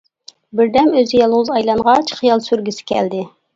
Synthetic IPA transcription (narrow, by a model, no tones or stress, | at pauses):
bɪɾd̪ɛmøzɪjɑlˠwʊzɑjlˠɑɴʁɑt͡ʃʰχijɑlˠsyɾɡʲysɪ̥kʲʰɛ̰ld̪ɪ